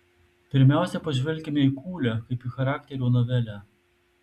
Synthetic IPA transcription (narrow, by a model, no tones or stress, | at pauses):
pʲɪɾʲmʲæˑʊsʲɛpɐʒʲʋʲɛlʲkʲɪmʲɛikuːlʲækɐɪpixɐɾɑːkʲt̪ʲɛɾʲuːnɔʋʲɛlʲæ